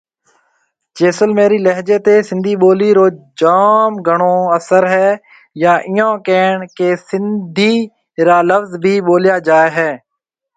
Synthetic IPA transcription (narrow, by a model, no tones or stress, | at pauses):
t͡ʃeːsəlmeːɾiːləɦd͡ʒeːt̪eːsɪ̃nd̪ʱiːɓoːliːɾoːd͡ʒaːmɡʱəɳoːəsəɾɦɛː | jãːʔɪjãːkeːɳkeːsɪnd̪ʱiː | ɾaːləfzbʱiːɓoːljaːd͡ʒaːeɦɛː